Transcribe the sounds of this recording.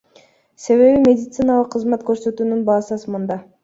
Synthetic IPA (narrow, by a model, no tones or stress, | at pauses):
se̞βe̞βimʲe̞dʲɪt̪sɨnalˠəqʰːəzmɑt̪kø̞ɾsø̞t̪yːnynbɑːsɯsmund̪ɑ